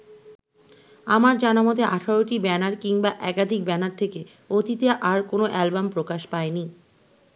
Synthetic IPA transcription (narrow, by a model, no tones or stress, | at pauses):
amaɾd͡ʑanamot̪eʔaʈʰaɾoʈibɛnaɾkiŋbaʔɛkad̪ʱik̚bɛnaɾt̪ʰeke | ot̪it̪eʔaɾkonoʔɛlbampɾokaʃpaeni